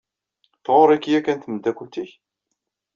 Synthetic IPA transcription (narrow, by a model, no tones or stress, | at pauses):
θʁoɾˤikːjækːænt̪əməd̪ækʷːut̪iç